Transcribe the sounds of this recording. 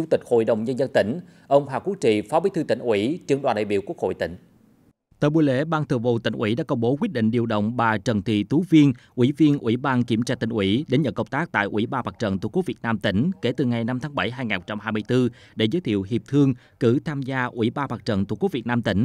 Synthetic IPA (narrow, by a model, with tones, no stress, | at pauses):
t͡ɕu˧ŋ͡mt̪i˨˩k̟̚ho̰˧˨jɗə˨˩wŋ͡mɲə˧nzə˧nt̪ï˧˩ŋ̟ | ʔə˧wŋ͡mɦwaː˨˩ku˦˥ək̚t͡ɕḭ˧˨fɔ˨˦ɓi˨˦t̪ʰɨ˧t̪i˧˩ŋ̟ʔwi˧˥t͡ɕɨ˧˩ənɗwaː˨˩nɗa̰ː˧˨ɓi˧˨əwku˦˥ək̚ho̰˧˨jt̪ï˧˩ŋ̟ | t̪əː˧˨˩ɓu˧˩jlḛ˧˥ɓaː˧nt̪ʰɨ̰˨˧˨əvṵ˧˨t̪ï˧˩ŋ̟ʔwi˧˩ɗa̰ː˧˥kə˧wŋ͡mɓo˨˦kwi˦˥t̚ɗḭ˧˨ŋ̟ɗi˨˩əwɗə̰˧˨wŋ͡mɓaː˨˩t͡ɕə˨˩nt̪ḭ˧˨t̪u˨˦vi˧ənʔwi˧˩vi˧ənʔwi˧˩ɓaː˧nki˧˩əmt͡ɕaː˧t̪ï˧˩ŋ̟ʔwi˧˦ɗe˨˦nɲə̰˧˨˩ŋkə˨˧˩w̚ŋ͡mt̪aː˦˥k̚t̪a̰ː˧˨jʔwi˧˩ɓaː˧maː˨˩t͡ɕə̰˧˨nt̪ṵ˧˨˩ku˨˦vi˨˩ət̚naː˧mt̪ï˧˩ŋ̟ke˧˩t̪ɨ˨˩ŋa˨˩jna˧mt̪ʰaː˨˦ŋɓə˧˩jɦaː˧jŋaː˨˩nho˨˩t͡ɕa˧mɦaː˧jmɨ˧əjt̪ɨ˧ | ɗe˧˩zəː˨˦jt̪ʰḭ˧˨əwɦi˨˩əp̚t̪ʰɨ˧əŋ | kɨ˧˩t̪ʰaː˧mzaː˧ʔwi˧˩ɓaː˧maː˨˩k̚t͡ɕə̰˧˨nt̪ṵ˧˨˩k̚vi˨˩t̚naː˧mt̪ï˧˩ŋ̟